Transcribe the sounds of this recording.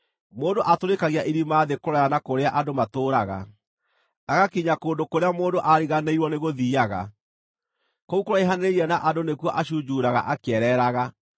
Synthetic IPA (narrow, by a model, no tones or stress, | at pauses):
moːndoʔatoɾekaɣiaʔiɾimaːðekoɾɔjanakoɾeaʔadomatoːɾaɣa̰ | naɣakiɲakoːndokoɾeamoːndoʔaɾiɣaneiɾwɔneɣoðiːaɣa̰ | kɔukoɾɔeɦaneɾeiɛnaʔadonekwɔʔaɕud͡ʑuːɾaɣa̰ʔakɛɾɛːɾaɣa